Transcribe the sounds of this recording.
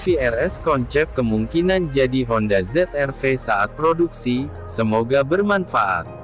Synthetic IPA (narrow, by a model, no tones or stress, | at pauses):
fiɛrɛskɔnt͡ʃɛp̚kəmuŋkinand͡ʒadiɦɔndazɛt̪ɛrfesaʔat̪̚pɾoduksi | səmoɡabərmanfaʔa̰t̪̚